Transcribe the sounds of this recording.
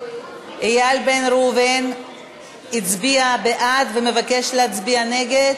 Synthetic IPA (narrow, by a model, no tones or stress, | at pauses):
ejalbenɾuven | it͡sbiabeʔat̪veme̞vake̞ʃleat͡sbiane̞ɡed̪